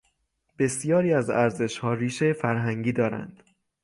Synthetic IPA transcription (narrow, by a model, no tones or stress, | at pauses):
b̥e̞sijɒːɾiːæzæɾze̞ʃhɒːriːʃejefæɾɦæŋɟiːd̪ɒːɾæ̰nd̪̥